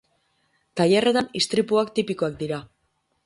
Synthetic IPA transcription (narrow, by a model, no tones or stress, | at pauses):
t̪ajere̞t̪anist̪ɾipuakt̪ipiko̞ak̚d̪iɾa